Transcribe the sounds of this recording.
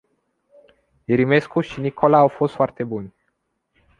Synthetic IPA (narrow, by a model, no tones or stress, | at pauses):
iɾime̞skuʃinikʰo̞laːwfo̞st̪foart̪e̞bunʲ